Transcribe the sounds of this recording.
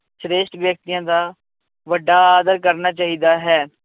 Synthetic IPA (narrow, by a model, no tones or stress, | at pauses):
sɾeːsʈʋjək̚t̪ijãːd̪aː | ʋəɖːaːaːd̪əɾkəɾnaːt͡ʃaːɦiːd̪aːɦɛː